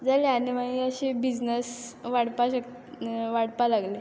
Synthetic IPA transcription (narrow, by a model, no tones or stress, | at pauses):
d͡zaleaniʋaiəɕebid͡znəsʋaɽpaɕək | ʋaɽpalaɡle